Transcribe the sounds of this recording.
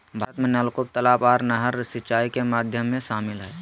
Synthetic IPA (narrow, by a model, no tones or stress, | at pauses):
bʱat̪mẽnəlkʊk̚t̪əlaːpaːɾnəɦəɾsɪt͡ʃaːikemaːd̪ʱjəmːẽʃaːmɪlɦɛː